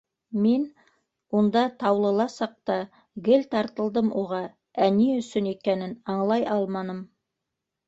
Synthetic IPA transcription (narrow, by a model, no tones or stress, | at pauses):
men | wond̪ɑt̪ʰɑwlˠə̆lˠɑsɑq̚t̪ɑ | ɡɘlt̪ʰɑɾt̪ə̆lˠd̪əmwoʁɑ | æniʏsɵnekʲenɘnɑɴlˠɑjɑlˠmɑnəm